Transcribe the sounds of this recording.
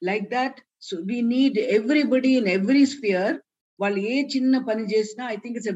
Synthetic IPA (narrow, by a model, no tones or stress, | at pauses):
laɪk̚d̪æʈ | soːʋiːniːɖɛʋɾibɔɖiɪ̃nɛʋɾisfiəɾ | ʋaɪleːt͡ʃɪnːɐpɐnɪd͡ʒeːsnaɐɪt̪ɪ̃ŋkɪʈs̬e